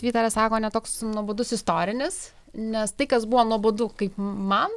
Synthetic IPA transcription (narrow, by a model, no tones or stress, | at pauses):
t̪ʋʲiːt̪ɐɾɐsɑːkoːnʲɛt̪oːksnuɔboːd̪ʊsɪst̪oːɾʲɪnʲɪs | nʲɛst̪ɐɪkɐsbuʋoːnuɔboːd̪ukɐɪpmɐn